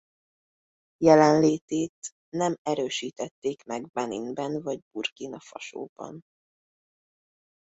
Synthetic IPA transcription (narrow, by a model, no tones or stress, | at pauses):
jɛlɛnleːt̪eːt̪ | nɛmɛɾøːʃiːt̪ɛt̪ːeːkmɛɡbɛnḭnbɛnvɒɟburkinɒfɒʃo̰ːbɒ̰n